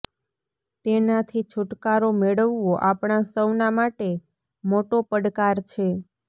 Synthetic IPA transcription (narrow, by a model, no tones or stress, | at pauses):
t̪enat̪ʰit͡ʃʰʊʈkaɾomeɭəʋːoʔapɳ̃asəwnamaʈe | moʈopəɽkaɾt͡ʃʰe